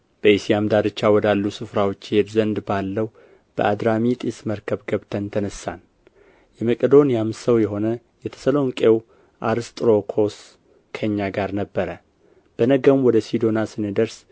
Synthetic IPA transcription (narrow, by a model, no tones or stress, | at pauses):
b̥əisijamd̪ad̪ɨt͡ʃːawɔd̪alːusɨfɾawo̞t͡ʃːɪhe̞d̪zənd̪balːəw | b̥ə̰ʔad̪ɾamit̪ʼisməɾkʰəβɡʰəβt̪ʰənt̪ʰənəsːa̰n | jɛməkʼəd̪o̞njamsəwjɛɦo̞nə | jɛt̪ʰə̥səlo̞ŋkʼe̞w | ʔaɾɨst̪ʼɾo̞kʰo̞s | kʰəɲːaɡaɾnəbːəɾə | b̥ənəɡəmwɔd̪əsid̪o̞nasɨnɨd̪əɾs